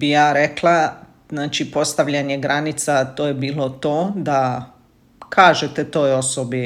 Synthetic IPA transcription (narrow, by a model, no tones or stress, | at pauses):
bijaːɾeklˠa | znaːt͡ʃipo̞st̪aʋʎaɲeɡɾʔanit̪sat̪oːjebiːlo̞t̪oːd̪a | kʰaːʒet̪et̪o̞ːjo̞sobi